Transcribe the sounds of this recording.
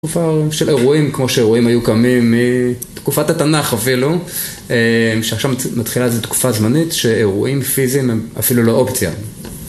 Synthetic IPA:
tkufaʃele̞ʁuimkmo̞ʃeeʁuimajukamimːitkufatatanaχafilu | emʃeaχʃavmatχilaezetku̥fazmanitʃe̞eʁuʔimfizimema̰filuloʔopt͡sja̰

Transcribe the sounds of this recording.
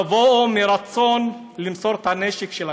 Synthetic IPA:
vomiɾat͡so̞n | limso̞ɾt̪haneʃekʃela

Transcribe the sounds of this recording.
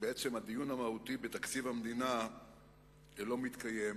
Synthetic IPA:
beet͡se̞mad̪ijunamahut̪ibet̪akt͡sivamed̪ina | lo̞mit̪kajem

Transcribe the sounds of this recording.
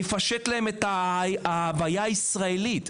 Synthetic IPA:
efaʃet̪laheme̞t̪aaavajaisʁaelit̪

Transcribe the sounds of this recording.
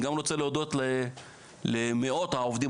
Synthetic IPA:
ɡamlot͡seleod̪ot̪le | lemeot̪haovd̪i

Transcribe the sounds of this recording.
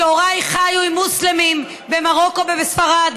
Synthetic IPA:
oʁajχajuimːuslemim | bemaʁo̞ko̞bevesfaʁad̪

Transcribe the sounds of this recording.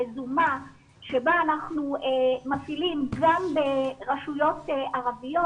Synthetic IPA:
zuma | ʃebaːnaχnuemafilimɡambeʁaʃujo̞teʔaʁavijo

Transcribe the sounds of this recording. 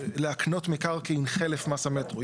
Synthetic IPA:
leakno̞tmekaʁkeinχelefmasametʁo

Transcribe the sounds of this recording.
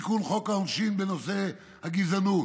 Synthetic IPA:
kulχokaonʃinbenose | haɡizanu

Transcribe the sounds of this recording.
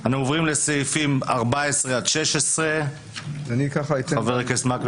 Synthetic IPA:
anaovʁimleseifima̰ʁbaesʁead̪ʃeʃesʁe | vanikaχait̪eveʁekesmak

